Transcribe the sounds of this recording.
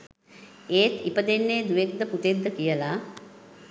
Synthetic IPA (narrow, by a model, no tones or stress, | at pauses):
eːt̪ipəd̪enːeːd̪uʋek̚d̪əput̪ed̪ːəkijəla